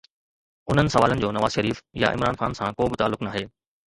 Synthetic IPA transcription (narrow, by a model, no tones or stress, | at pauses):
ʊn̤ənɪ̆sɐʋaːlənɪ̆d͡ʑoːnɐʋaːzʃɐɾiːfja̰ʔɪ̰mɾaːnxaːnsãkoːbɪt̪aːlːʊknaːɦeː